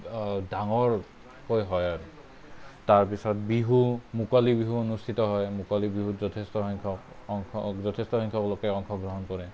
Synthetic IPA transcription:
daŋɔɹ | kojɦɔjaɹu | taɹpisɔt̚biɦumukalibiɦuonustʰitɔɦɔjmukalibiɦuzɔtʰestɔɦɔŋkʰɔkŋzɔtʰestɔɦɔŋkʰɔklokɛɔŋkʰɔɡɹɔɦɔnkɔɹɛ

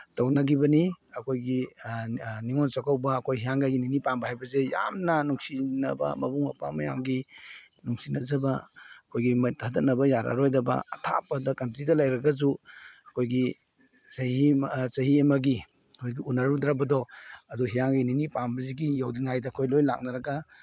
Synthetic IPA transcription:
tawnɐɡibɐniɐkʰojɡi | niŋonsakʰawbɐːkʰojɦijaŋɡajɡininipambɐhajbɐzeja̰mnɐnuŋsinɐ̰bɐ̰mɐbuŋmɐ̰pamɐja̰mɡi | nuŋsinɐzɐbɐɐkʰojɡimɐtʰadɐtnɐbɐjaɾa̰ɾojdɐbɐ̰ːtʰa̰padɐkɐntɾidɐlajɾɐɡazuɐkʰojɡi | sɐhisɐɦiɐmɐɡi | kʰojɡiunaɾud̪ɾabɐdɔɐduɦijaŋɡininipambɐziɡijawdiŋajdɐːkʰojlojla̰k̚nɐɾɐɡa

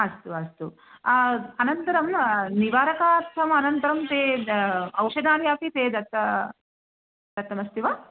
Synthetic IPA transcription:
ɐst̪uɐst̪u | ɐnɐnt̪ɐɾɐmniʋaːɾɐkaːɾt̪ʰːɐmɐnɐnt̪ɐɾɐmt̪eː | ɐwʂɐnaːɾjaːpit̪eːd̪ɐt̪ːɐ | d̪ɐt̪ːɐmɐst̪iʋaː

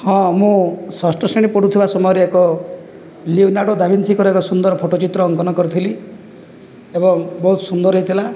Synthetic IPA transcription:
hɔ̃mũsɔsʈɔseɽ̃ipɔɽut̪ʰibasɔmɔjɔɾeekɔ | liwnaɽɔd̪abʱinsikɔɾekɔsund̪ɔɾpʰoʈɔt͡ʃit̪ɾɔːŋkɔnɔkɔɾut̪ʰili | ebɔŋbɔɦut̪sund̪ɔɾɦeit̪ʰila

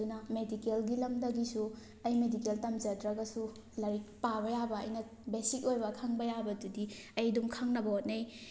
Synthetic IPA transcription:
unɐmedikelɡilɐmdɐɡisu | ɐjmedikeltɐmd͡ʒɐdɾɐɡɐsu | lɐɾik̚pabɐjabɐɐ̰jnɐ | besik̚ojbɐkʰaŋbɐjabɐdudiɐjdumkʰaŋnɐbɐot̚nej

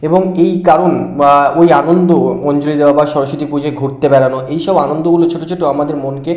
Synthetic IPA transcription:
eboŋejkaɾonojanond̪omɔnd͡ʑolid̪ewabaʃɔɾoʃot̪ʰipud͡ʑʱeɡʱuɾt̪ebɛlanoʔejʃɔbanond̪oɡulot͡ɕʰoʈot͡ɕʰoʈoamad̪eɾmonke

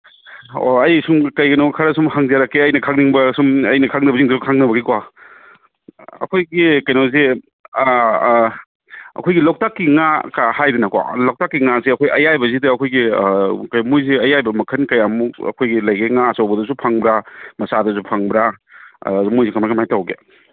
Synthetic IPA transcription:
o̰ɐjsumkɐjɡɐnowkʰaɾɐsumhaŋzaɾakːeɐjnɐkʰaŋniŋbɐsumɐjnɐkʰaŋnɐbɐziŋdɐsukʰaŋnɐbɐɡikwa | ɐ̰kʰojɡikɐjnawze | ɐ̰kʰojɡilawk̚takːiŋakahajdenɐkwa̰lawk̚takːiŋazeɐkʰojɐjajbɐzidɐːkʰojɡikɐjmujziɐjajbɐmɐkʰɐnkɐjamukɐ̰kʰojɡilɐjɡeŋasawbɐdɐsupʰaŋbɾamɐsadɐs̬upʰaŋbɾa̰ | zumujzikɐmakamajtawɡe

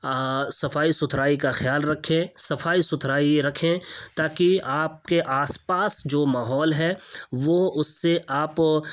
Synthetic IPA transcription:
sɐfaːisʊt̪ʰɾaːikaxjaːlɾɐkʰẽsɐfaːisʊt̪ʰɾaːiɾɐkʰẽt̪aːkiaːp̚keʔaːspaːsd͡ʒoːmaːɦɔːlɦɛʋoːʊsːeʔaːp

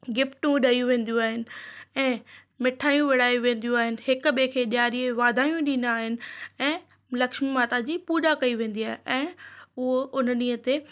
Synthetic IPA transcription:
ɡɪfʈũɗɐijũʋẽːn̆d̪ijũaːɦɪnɪ̆ɛ̃ː | mɪʈʰaːjũʋɪɽ̤aːjũʋẽːn̆d̪ijũaːɦɪnɪ̆ɦɪkɓekʰeːɗɪjaːɾieʋaːd̪ʱaːjũɗĩːnaːɦɪnɪ̆ɛ̃ː | lɐkʃmimaːt̪ad͡ʑiːpuːɾakɐiʋẽːn̆d̪iaːɦeʔɛ̃ːʊɦoʔʊnəɗiːə̃t̪e

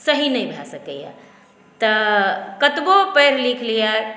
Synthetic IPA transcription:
səɦinəjbʱasəkəja̰ | t̪əkət̪bopəɾlikʰlija

